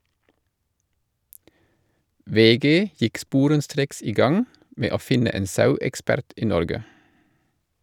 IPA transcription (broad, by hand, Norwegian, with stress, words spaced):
ˈʋeːˌɡeː ˈjɪk ˈspuːɾənˌstɾeːks ˈiː ˈɡɑŋ ˈmeː ˈoː ˈfɪnə ˈeːn ˈsɑʉɛkˌspæɾt ˈiː ˈnɔɾɡə